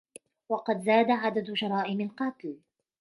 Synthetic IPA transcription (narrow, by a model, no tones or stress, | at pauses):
wɑqɑd̪zaːd̪aʕad̪ad̪ʊʃɑɾˤɑːʔɪmɪlqɑːt̪l